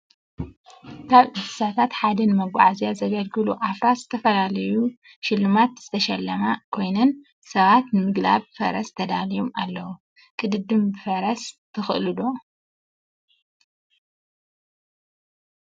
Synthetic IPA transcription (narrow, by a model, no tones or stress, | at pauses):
kʰaβʕɨd̪ɨsat̪ʰat̪ħad̪ɐnɨmɐɡʷa̰ʕazijazɐɡɐlɡɨluʔafɾazɨt̪ʰɐfɐlalɐju | ʃɪlːumat̪z̥ɨt̪ʰɐʃɐlːɐmakʰo̞jnɐn | sɐβat̪nɨmɨɡla̰βfɐɾɐst̪ʰɐd̪alijomalːɐwu | kʼɨd̪ɨd̪ɨmbɨfɐɾɐst̪ʰɨxɨʔlɨd̪o